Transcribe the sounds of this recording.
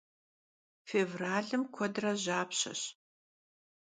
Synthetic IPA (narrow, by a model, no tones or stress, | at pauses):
feːvraːɮɨmkʷʰɔdrɐʑaːpɕɐ̰ɕ